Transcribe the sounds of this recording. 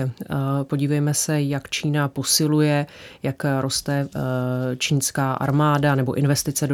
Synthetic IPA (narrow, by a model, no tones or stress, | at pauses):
po̞ɟiːvɛjmɛsɛjakt͡ʃiːnapo̞sɪlujɛjakɾʔo̞st̪ɛ | t͡ʃiːnskaːʔa̰ɾmaːdanɛbo̞ʔɪnvɛst̪ɪt͡sɛ